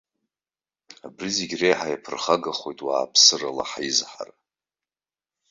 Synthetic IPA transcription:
abrizeɡʲrejħajapʰɨrχaɡaχo̞jtʼwaːpʰsɨrala̰ħaizħa̰r

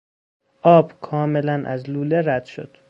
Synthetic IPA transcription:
ʔɒːb̥kʰɒːmelænʔæ̰zluːleɾæd̪̥ʃo̰d̪̥

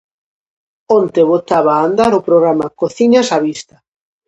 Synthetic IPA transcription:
ont̪eβot̪aβaːnd̪aɾopɾoɣɾamakoθiɲasaβist̪a

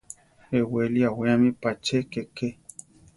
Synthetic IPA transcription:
eweliawẽãmĩpat͡ʃekeke

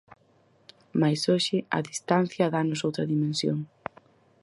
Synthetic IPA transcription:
majsoʃɪɐ̰ðist̪an̟θjɐðanʊsowt̪ɾɐðimẽnsjo̰ŋ

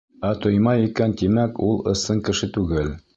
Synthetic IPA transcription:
æt̪ŏjmɑjikænt̪imækulˠɤ̆sɤɴkɘ̆ʃɘt̪ʉɡɘl

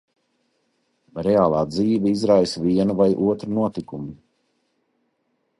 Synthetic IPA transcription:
ɾeaːlˠaːd̪ziːvɛizɾajsviɛnuvajʔuɔt̪ɾunuɔt̪ikumi

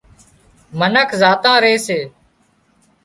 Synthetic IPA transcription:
mənəkʰzaːt̪ãːɾeːseː

